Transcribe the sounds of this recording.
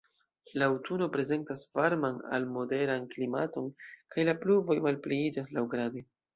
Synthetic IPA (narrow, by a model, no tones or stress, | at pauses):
lawtʰuno̞pɾe̞ze̞ntasvaɾmana̰lmo̞de̞ɾanklimato̞nkajlapluvo̞jmalpleid͡ʒas̬lawɡɾade